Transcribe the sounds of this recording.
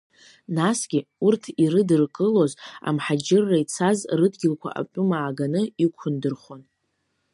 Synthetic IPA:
nasɡʲiurtʰiɾɨdɨrkʼɨlo̞za̰mħad͡ʒɪrːait͡sʰazrɨdɡʲɪlkʷʰa̰ʔa̰pʼʊmaːɡanɨikʷʰʊndɨrχʷon

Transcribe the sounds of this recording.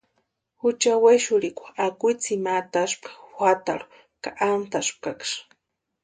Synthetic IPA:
xʊt͡ʃaweʃʊɾikʷaakijt͡simat̪aʃpkḁxʷat̪aɾʊ̥ | kaʔamt̪aʃp̚kakʃ

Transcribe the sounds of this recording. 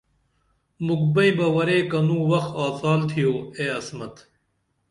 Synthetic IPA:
mukbɐibɐwɐɾeːkɐnũːwɐxaːsaːlt̪ʰijoːeːɐsmɐt̪

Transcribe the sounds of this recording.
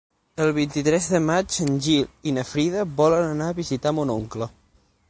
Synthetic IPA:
əlˠβ̞int̪it̪ɾɛzðəmad͡ʒənʲʒilinəfɾiðəβɔlənənaːβizit̪amunoŋklə

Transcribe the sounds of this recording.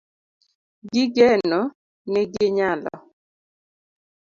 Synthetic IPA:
ɡɪɡɛnɔ | nɛɡɪɲalɔ̰

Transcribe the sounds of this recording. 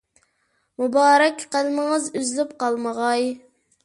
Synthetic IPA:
mubɑːɾɛkʲqælməŋəzyzlypqɑlˠməʁɑj

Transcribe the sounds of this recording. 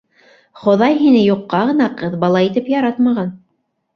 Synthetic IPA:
χŏðɑjɦinɘjuqːɑʁɤ̆nɑqɤðbɑlˠɑit̪ɘpjɑɾɑt̪mɑʁɑn

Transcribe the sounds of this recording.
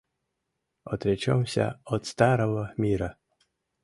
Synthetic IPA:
ɔt̪ɾʲɛt͡ʃawsʲa̰ɔt̪st̪aɾɔɣɔmʲiɾa

